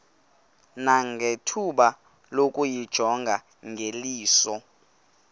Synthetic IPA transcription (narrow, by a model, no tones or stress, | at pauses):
naŋɡʱetʰuɓa | lokʼujid̥ʒ̥ʱɔŋɡʱa | ŋɡʱeliːsɔ